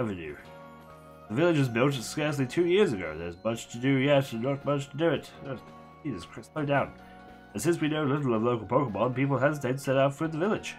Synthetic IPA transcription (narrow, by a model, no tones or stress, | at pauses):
ɛvɨnjʉ̰ | ðəvɪlˠɨd͡ʒɨzbɪlˠtskɛɹs̬litʰʉjɪɹzɨɡoʊðə̰˞zmʌt͡ʃtʰɨdɨjɛtɨət̚mʌt͡ʃtʰədɨɪtə | izɨskʰɹ̥ɪstidãʊ̃n | ə̃nsɪ̃nswinoʊlɪɾl̩ˠʌvloʊkl̩ˠpʰoʊkəbɔlˠnpipl̩ˠɦɛzətʰeɪtsɛɾaʊtfə˞ðəvɪlˠɨd̥ʒ̥